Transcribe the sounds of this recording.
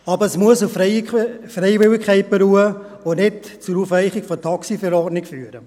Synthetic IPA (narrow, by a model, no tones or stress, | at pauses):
ɑbəɾəsmuəsu | freɪvɪlɪkʰχɛɪt̚b̥əɾuːə | onɛtt͡suɾufɛɪχɪkfotʰɑksifɛɾɔːnɪkfyːɾə